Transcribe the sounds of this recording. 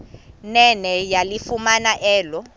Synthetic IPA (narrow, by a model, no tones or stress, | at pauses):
nɛnɛjalifumanaʔɛːlɔ